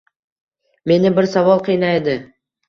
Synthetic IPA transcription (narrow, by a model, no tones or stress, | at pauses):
me̞nɪbɪɾsavɒlˠqʰijnajed̪ɪ